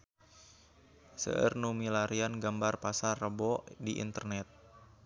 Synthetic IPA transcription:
sə̰ʔə̰rnumilaɾianɡambarpasarəbɔdiʔḭnt̪ərnɛt̪̚

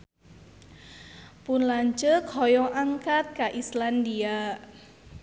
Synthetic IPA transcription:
punlaɲt͡ʃəkhɔjɔʔaŋkat̪̚kaʔislandia

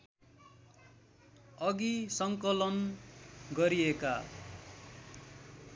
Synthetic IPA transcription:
ʌɡisʌŋkʌlʌn | ɡʌɾieka

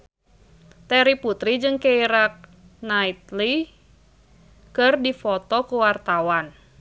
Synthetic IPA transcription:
t̪ɛɾiput̪ɾid͡ʒɨŋkɛiɾak̚ | nait̪li | kɨrdifɔt̪ɔkuwart̪awan

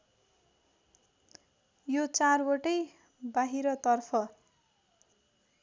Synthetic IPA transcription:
jot͡sarwoʈʌj | baɦiɾʌt̪ʌrpʰʌ

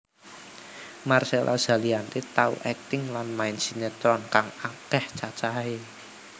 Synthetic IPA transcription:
marselʔa̰z̥a̤liant̪et̪aṵʔɛk̚t̪ɪŋlanmainsinet̪ɾɔnkaŋakɛht͡ʃat͡ʃae

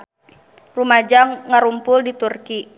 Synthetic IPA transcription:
rumad͡ʒaŋːaɾumpʊldit̪urki

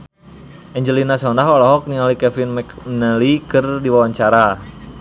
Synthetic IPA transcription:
ʔɛɲd͡ʒəlinasɔndaɦɔlɔɦɔk̚niŋalikɛfinmnalikɨrdiwawaɲt͡ʃaɾa

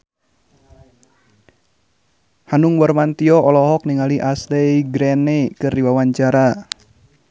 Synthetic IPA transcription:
hanuŋwɔrmant̪iɔʔɔlɔɦɔk̚niŋaliʔaslɛiɡɾɛnɛkɨrdiwawaɲt͡ʃaɾa

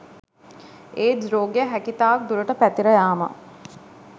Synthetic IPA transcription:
eːd̪ɾoːɡejəɦækit̪aːɐk̚d̪uɾəʈəpæt̪iɾəjaːmə̰

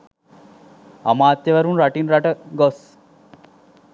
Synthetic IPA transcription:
ɐ̰maːt̪jɐʋɐɾunɾɐʈinɾaʈɐɡos

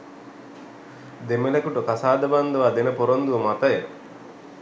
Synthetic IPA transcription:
d̪emelekuʈukasaːd̪ɐband̪ɐʋaːd̪enɐpoɾond̪uʋɐmat̪ɐje

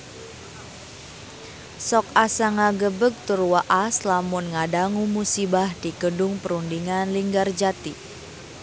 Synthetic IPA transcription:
sɔk̚asaŋaɡəbəɡ̚t̪urwaʔaslamʊnŋadaŋumusibahd̥iɡədʊŋpəɾundiŋanliŋɡard͡ʒat̪i

